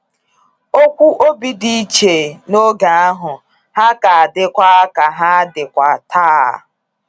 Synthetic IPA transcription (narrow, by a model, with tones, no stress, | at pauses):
o˦kʷu˦ʔo˦bi˦di˦i˦t͡ʃe˨no˦ɡa˨a˦ɦʊ˨ | ha˦ka˨a˨dɪ˦kʷa˦ka˨ɦa˦a˦dɪ˨kʷa˨ta̰ː˦˨